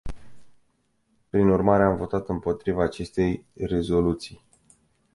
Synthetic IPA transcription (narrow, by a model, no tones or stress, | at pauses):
pɾinurmaɾe̞amvo̞t̪at̪ɨmpo̞t̪ɾivaːt͡ʃe̞st̪e̞jre̞zo̞lut̪sij